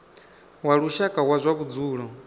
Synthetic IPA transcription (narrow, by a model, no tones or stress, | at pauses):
waɺuʃakʼawazʷakud͡zuːɺɔ